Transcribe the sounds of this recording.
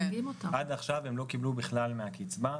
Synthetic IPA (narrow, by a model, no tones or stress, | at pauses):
vimotaad̪aχʃavemlo̞kiblubiχlalmeakit͡sba